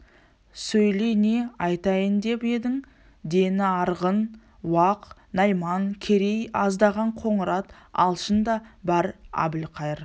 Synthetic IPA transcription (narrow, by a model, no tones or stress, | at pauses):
sɵjle̞ne̞ɑjt̪ɑjənd̪e̞pe̞d̪ɪŋ | d̪e̞nɪɑɾʁən | wɑqnɑjmɑŋkʲʰeɾe̞jɑzd̪ɑʁɑɴqʰo̞ɴəɾɑt̪ɑ̰lˠʃənd̪ɑbɑɾɑ̰bɪlqʰɑjəɾ